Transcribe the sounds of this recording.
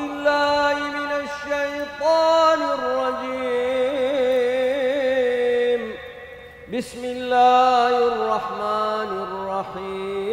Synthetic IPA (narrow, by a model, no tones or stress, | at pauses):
ɪlːaːhimɪnaʃːajt̪ˤɑːnɪrˤːɑd͡ʒiː | m | bɪsmɪlːaːhrˤːɑħmaːnrːɑħiː